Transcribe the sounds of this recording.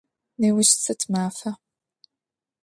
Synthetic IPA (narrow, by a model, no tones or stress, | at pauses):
neːwʊʃt͡sɐtʰmaːfɐ